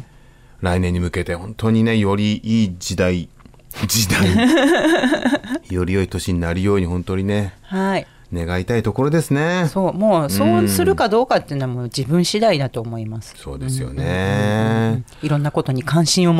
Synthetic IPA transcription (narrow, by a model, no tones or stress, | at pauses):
ɾainẽ̞ɲ̟ːimɯ̟ke̞t̪e̞hõ̞nt̪o̞ɲ̟ine̞jo̞ɾʲiʔiːd͡ʑid̪ai | d͡ʑid̪ai | jo̞ɾʲijo̞it̪o̞ɕiɲ̟inaɾʲijo̞ːɲ̟ihõ̞nt̪o̞ɲ̟ine̞hai | ne̞ɡait̪ait̪o̞ko̞ɾo̞d̪e̞sɨne̞so̞ːmoːso̞ːssɨɾɯ̟kad̪o̞ːkat̪ːeiɯ̟noβamoːd͡ʑibɯ̟̃ɰ̃ɕid̪aid̪at̪o̞ːmo̞imasɨ̥so̞̰ːd̪e̞sɨjo̞̰ne | iɾõ̞nːako̞t̪o̞ɲ̟ikãɰ̃ɕĩɰ̃om